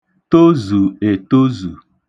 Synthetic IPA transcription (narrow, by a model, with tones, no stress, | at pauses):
to˦zu˨e˨to˦zu˨